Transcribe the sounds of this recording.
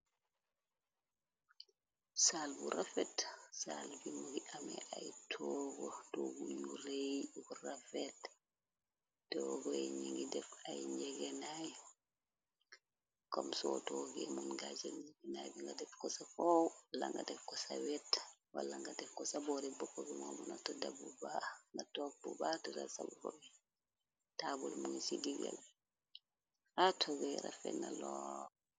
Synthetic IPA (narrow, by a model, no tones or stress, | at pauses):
salbuɾafɛtsalbimuɡiʔamɛʔajtʰɔɡɔdɔɡujuɾejɡuɾafɛt | tɔɡɔɛɲiŋɡidɛfajɲɛɡɛnaj | kɔmsɔtɔɡɛmunɡad͡ʒalikinajbiŋɡadɛfkɔsafɔwwalːaŋɡadɛfkɔsawɛtwalːaŋɡadɛfkɔsabɔɾibɔkːɔbimɔbunɔtɔdabubaŋɡatɔk̚bubatɔdasabukɔbi | tabulmuŋsiɡiɡal | atʰɔɡɛɾa̰fɛ̰nalɔ